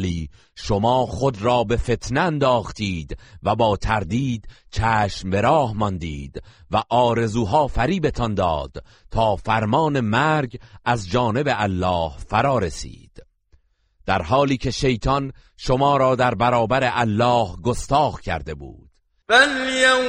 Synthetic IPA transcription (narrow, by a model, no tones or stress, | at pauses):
liː | ʃomɒːχod̪ɾɒːbe̞fe̞t̪ʰneænd̪ɒːχt̪ʰiːd̪væbɒːt̪ʰæɾd̪iːd̪t͡ʃʰæːʃmbe̞ɾɒːhmɒnd̪iːd̪væʔɒːɾe̞zuːɦɒːfæɾiːbe̞t̪ʰɒnd̪ɒ̰ːd̪̥ | t̪ʰɒːfæɾmɒːne̞mæɾɡæzd͡ʒɒːne̞beʔælːɒːhfæɾɒːɾesḭːd̪̥ | d̪̥æɾhɒːliːcʰe̞ʃe̞jt̪ʰɒnʃo̞mɒːɾɒːd̪æɾbæɾɒːbæɾeʔælːɒːhɡost̪ɒːɣcʲʰæ̰ɾd̪e̞bṵːd̪̥ | benie